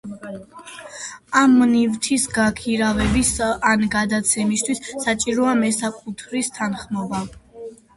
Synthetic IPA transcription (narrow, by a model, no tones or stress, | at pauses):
amːnivt̪ʰisɡakʰiɾavɛbisanɡad̪at̪sʰɛmist̪ʰwisːat͡ʃʼiɾɔamɛsakʼut̪ʰɾist̪ʰanχmɔva